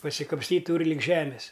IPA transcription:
pɐsʲɪkɐpʲsʲˈtʲiːt ˈtuːrʲɪ lʲɪk ˈʒʲæːmʲɪs

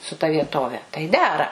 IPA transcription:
sʊ tɐ ʋʲiɛˈtoːʋʲɛ tɐɪ ˈdʲæːrɐ

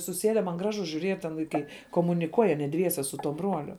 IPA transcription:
sʊˈsʲeːdʲɛ mɐn ˈɡrɑːʒʊ ʒʲuːˈrʲiɛt tʲɛn ʋɐɪˈkɐɪ koːmʊnʲɪˈkuɔj ɐˈnʲiɛ ˈdʲʋʲiɛsʲɛ sʊ tuɔ ˈbruɔlʲʊ

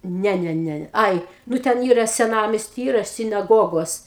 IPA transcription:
ˈnʲɛ ˈnʲɛ ˈnʲɛ ˈɐɪ ˈnʊ tʲɛn ˈiːrɐ sʲɛˈnɑːmʲɛsʲtʲiː ˈiːrɐ sʲɪnɐˈɡoːɡoːs

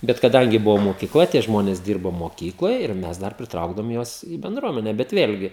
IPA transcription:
ˈbʲɛt kɐˈdɐŋʲɡʲɪ ˈbʊʋoː moːkʲɪˈklˠɐ tʲiɛ ˈʒmoːnʲeːs ˈdʲiːrboː moːˈkʲiːklˠoːj ɪr ˈmʲɛs dɐr pʲrʲɪˈtrɐʊɡdɐʋoːm ˈjuɔs ɪ bʲɛnˈdruɔmʲɛnʲɛ bʲɛt ˈʋʲeːlʲɡʲɪ

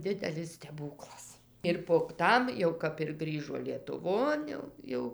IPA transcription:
ˈdʲɪdʲɛlʲɪs sʲtʲɛˈbuːklˠɐs ɪr poːk ˈtɐm jɛʊ kɐp ɪr ˈɡrʲiːʒoː lʲiɛtʊˈʋoːn jɛʊ ˈjɛʊ

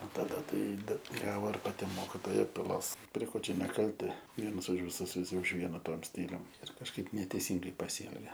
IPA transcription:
oː tɐˈdɐ ˈtɐɪ ˈbʲɛt ˈɡɑːʋoː ɪr pɐˈtʲɪ ˈmoːkʲɪtoːjɛ pʲɪˈlˠoːs pʲrʲɛ ˈkoː t͡ʃʲɛ nʲɛˈkɐlʲtʲɪ ˈʋʲiɛnɐs ʊʃ ʋʲɪˈsʊs ʋʲɪˈsʲɪ ʊʃ ˈʋʲiɛnɐ ˈtuɔm ˈsʲtʲiːlʲʊm ɪr kɐʃˈkɐɪp nʲɛtʲɛɪˈsʲiːŋɡɐɪ pɐˈsʲiːɛlʲɡʲɛ

